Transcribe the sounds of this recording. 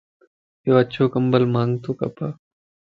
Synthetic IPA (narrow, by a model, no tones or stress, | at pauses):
joːətːt͡ʃʰoːkəmbəlmãːŋɡt̪oːkɐ̰paː